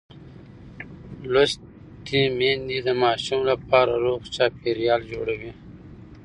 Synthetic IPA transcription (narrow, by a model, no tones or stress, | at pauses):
los | t̪imend̪id̪əmɑːʃumlapɑːɾaɾoɣt͡ʃɑːpeɾjɑːld͡ʒoɽawi